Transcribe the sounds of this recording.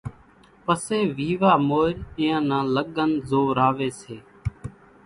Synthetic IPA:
pəseːʋiːʋaːmoːɾɪ̃ːãːnãːləɠənzoːɾaːʋeːseː

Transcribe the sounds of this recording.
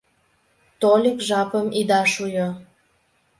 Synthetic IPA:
t̪olʲikʒɑpəmid̪ɑʃujo

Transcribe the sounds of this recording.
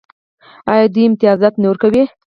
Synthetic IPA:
ɑjɑd̪əɪmt̪ɪɑzɑt̪noɾkawi

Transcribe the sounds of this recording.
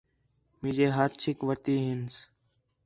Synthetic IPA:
mid͡ʒeːɦaːt̪t͡ʃʰɪkʋəɾt̪iːɦɪns

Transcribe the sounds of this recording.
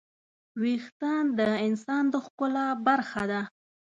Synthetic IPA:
wixt̪and̪əɪnsɑnd̪əxkʊlabaɾxad̪a

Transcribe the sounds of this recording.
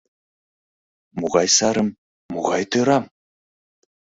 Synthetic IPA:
muʁɑjsɑɾə̆mː | uʁɑjt̪oɾɑm

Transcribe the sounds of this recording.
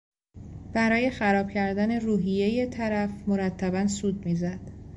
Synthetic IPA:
b̥æɾɒːje̞xæɾɒːb̥cʰæɾd̪æne̞ruːɦije̞jet̪ʰæɾæfmoɾæt̪ʰːæbænsuːd̪̚miːzæd̪̥

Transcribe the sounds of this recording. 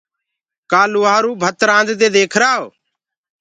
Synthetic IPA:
kaːluːaːɾuːbʱət̪ɾãːnd̪d̪eːd̪eːkʰɾaːoː

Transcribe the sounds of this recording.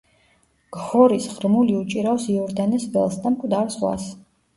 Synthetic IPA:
ɡ̥hɔɾisʁɾmuliut͡ʃʼiɾasiɔɾd̪anɛsbɛlˠsd̪amkʼvd̪aɾsʁwa̰s

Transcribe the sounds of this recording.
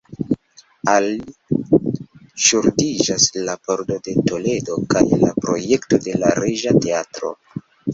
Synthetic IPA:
ali | ʃuɾdid͡ʒaslapo̞ɾdo̞de̞to̞le̞do̞kajla̰pɾo̞̰je̞kto̞de̞laɾeʒate̞atɾo̞̰

